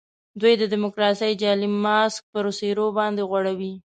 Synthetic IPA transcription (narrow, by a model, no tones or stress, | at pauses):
d̪wujd̪əd̪ɪmʊkɾɑsəjd͡ʒɑlimɑsk̚pəɾoseɾobɑnd̪eɣwaɽawi